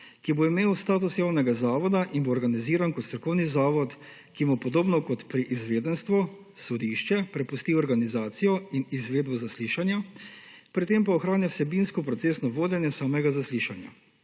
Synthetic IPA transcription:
kiboimeːwst̪aːt̪usjaːwnɛɡazaːʋɔd̪aʔinboːɾɡaniziːɾankɔt̪st̪ɾɔkɔwnizaːʋɔt̪ | kimupɔd̪oːbnɔkɔt̪pɾiʔizʋeːd̪ɛnst̪ʋɔ | sɔd̪iʃt͡ʃɛpɾɛpust̪iːɔɾɡanizaːt̪sijɔinizʋeːd̪̚bɔzasliːʃanja | pɾit̪empaɔxɾaːnjawsɛbinskɔpɾɔtseːsnɔʋoːd̪jɛnjɛsaːmɛɡazasliʃanja̰

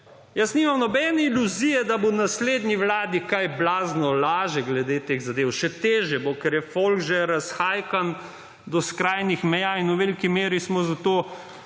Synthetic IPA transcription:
jəsniːmamnɔbɛːnɛiluzijɛd̪abonasleːd̪niʋlaːd̪ikajblaːznɔlaːʒɛɡlɛd̪et̪eːɣzad̪eːwʃɛt̪eːʒjɛbokɛɾjɛfolɡʒɛɾasxaːjkan | d̪ɔskɾaːjnixmɛjaːinwʋelikimeːɾismɔzat̪oː

